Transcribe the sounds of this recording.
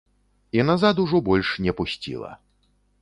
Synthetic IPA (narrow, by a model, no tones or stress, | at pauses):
inazat̪uʐɔbɔlʲʂnʲɛpusʲt͡sʲḭlˠɐ̰